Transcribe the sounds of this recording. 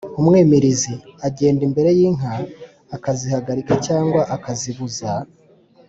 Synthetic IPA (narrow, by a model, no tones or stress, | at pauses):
umŋe̞ːmeɾiziaɟe̞ːndimbe̞ɾe̞jiːŋ̥ɦaː | kazihaɡaɾikacaːŋɡwaʔakaziβuza